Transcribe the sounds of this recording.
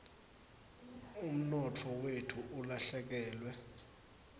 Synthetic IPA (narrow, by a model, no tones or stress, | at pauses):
um̩nɔtʰɔwetʰuʔulaɬɛk̬ɛːlwɛ